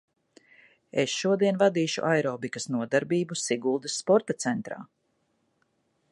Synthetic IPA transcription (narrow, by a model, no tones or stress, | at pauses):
esʃuɔd̪iɛnvad̪iːʃṵʔajɾɔːbikɐsnuɔd̪aɾbiːbusiɡulˠd̪ɐsːpɔɾt̪at̪sɛnt̪ɾa̰ː